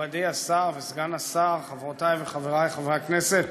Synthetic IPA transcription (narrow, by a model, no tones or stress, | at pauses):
ad̪ejasaʁvesɡanasaʁχavʁot̪ajveχaveʁajχavʁeakneset̪